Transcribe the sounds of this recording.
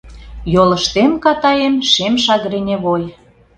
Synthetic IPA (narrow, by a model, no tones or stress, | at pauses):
jolə̆ʃt̪enkɑt̪ɑemʃemʃɑɣɾenʲeβoj